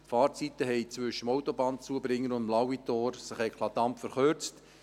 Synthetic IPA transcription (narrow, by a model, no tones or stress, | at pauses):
tfɑːɾt͡sit̪əɦɛɪt͡sʋʏʃəmoʊt̪ɔbɑːnt͡suəbɾɪŋːəɾʊnd̪əmlɑwit̪oːɾsɪχɛɪkʰlˠɑt̪ɑmpfəɾχøɾt͡st